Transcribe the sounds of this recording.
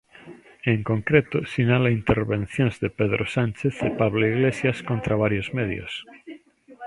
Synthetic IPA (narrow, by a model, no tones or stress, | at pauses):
eŋkõŋkɾet̪osinalaint̪eɾβẽn̟θjõnzðepeðɾʔosant͡ʃeθepaβloiɣlesjaskõnt̪ɾaβ̞aɾjozmeðjo̰s